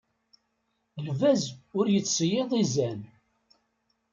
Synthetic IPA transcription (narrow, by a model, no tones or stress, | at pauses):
lvæzʊɾjət͡sːsjeðˤizæn